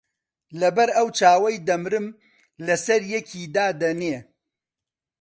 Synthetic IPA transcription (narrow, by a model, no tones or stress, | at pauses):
lɐbɐɾɐwt͡ʃaːwɐjd̪ɐmɾɨm | lɐsɐɾjɛkʰiːd̪aːd̪ɐneː